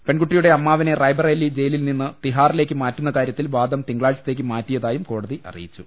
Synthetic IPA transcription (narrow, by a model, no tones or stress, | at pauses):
pe̞nɡuʈːijuɽe̞ɐmːaːʋɐne̞rɐjbɐrɐjlːid͡ʑe̞jlilninːɨt̪iɦaːrile̞ːk̬ʲːɨmaːtːunːɐkaːɾjɐt̪ːilʋaːd̪ɐmt̪iŋɡɭaːɭt͡ɕːɐt̪ːe̞ːk̬ːɨmaːtːijɐðaːjumko̞ːɽɐðiʔɐ̰rḭjit͡ɕːu